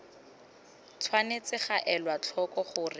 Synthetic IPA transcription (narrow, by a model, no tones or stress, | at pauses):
t͡sʰwanet͡sɪχaʔɛlwat͡ɬʰɔkɔχʊːrɪ